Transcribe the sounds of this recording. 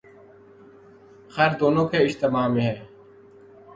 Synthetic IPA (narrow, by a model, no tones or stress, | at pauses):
xɛːɾd̪oːnõːkʰeːɪʃt̪emaːmẽːɦɛː